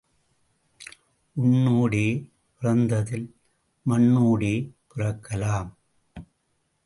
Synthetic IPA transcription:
ʔʊnːuːɽeː | pɪrɐnd̪ɐðɪl | mɐnːuːɽeːpɪrɐkːɐlaːm

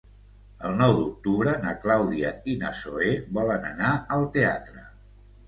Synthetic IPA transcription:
əlˠnɔwd̪uk̚t̪uβɾənəklawðiəinə̰soeβɔlənənaəlˠt̪eat̪ɾə

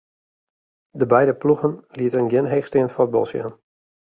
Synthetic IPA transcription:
dəbɛjdəpluɣənliətərənɡɪnɦeːxstɪəntfod̚bɔ̰lˠsja̰n

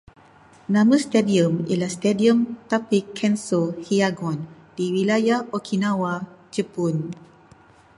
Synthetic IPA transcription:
nãmə̃st̪ɛdiə̃mḭlast̪ɛdiə̃mt̪apikʰːɛ̃nsohiaɡɔ̃n | diwilajaokʰinãwad͡ʒəpun

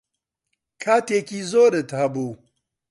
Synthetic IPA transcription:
kʰaːt̪eːkiːzoːɾɨt̪hɐbuː

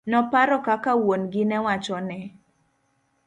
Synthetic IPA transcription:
nɔpaɾɔkakawonɡɪnɛwat͡ʃɔnɛ

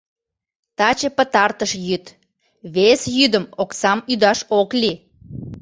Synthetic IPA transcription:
t̪ɑt͡ɕəpət̪ɑrt̪əʃjyt̪ | βesjyd̪əmoksɑmyd̪ɑʃokli

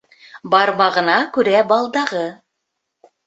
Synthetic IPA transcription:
bɑɾmɑʁɤ̆nɑkʉɾæbɑlˠd̪ɑʁɤ

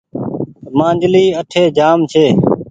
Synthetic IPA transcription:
mãːnd͡ʒliːəʈʰeːd͡ʒaːmt͡ʃʰeː

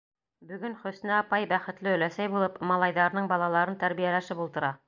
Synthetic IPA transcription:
bɵ̆ɡɵnχɵ̆snæɑpɑjbæχɘ̆t̪lɘɵ̆læsæjbulˠɤpmɑlˠɑjðɑɾnɤɴbɑlˠɑlˠɑɾɤnt̪æɾβijælæʃɘpulˠt̪ɤ̆ɾɑ

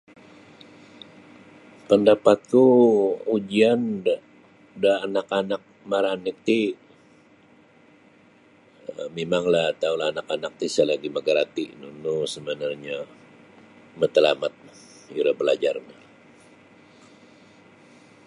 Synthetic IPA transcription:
pəndapat̪̚kuud͡ʒian | daːnakanak̚maɾanikt̪i | əmemaŋlat̪aulaːnakanak̚t̪isalaɡiməɡaɾat̪inunusəbənarɲa | mət̪əlamat̪̚ | iɾabəlad͡ʒarna

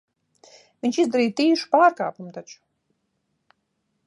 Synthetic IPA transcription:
vʲiɲʲt͡ʃizd̪aɾiːt̪iːʃu̥paːɾka̰ːpumt̪at͡ʃu̥

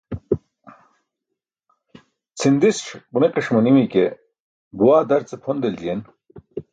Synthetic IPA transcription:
t͡sʰind̪isʂbuniqiʂmɐnimike | buwaːd̪ɐɾt͡sepʰond̪eld͡ʑijen

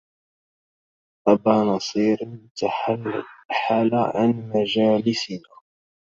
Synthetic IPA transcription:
ʔabaːnɑsˤiːɾ | aħaːlaʕa̰nmad͡ʒaːlɪsɪnaː

